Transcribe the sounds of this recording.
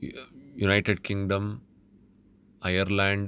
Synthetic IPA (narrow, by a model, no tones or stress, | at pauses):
junaɪʈeɖkɪ̃ŋɡɖɐ̃m | ajəɾlãːɳɖ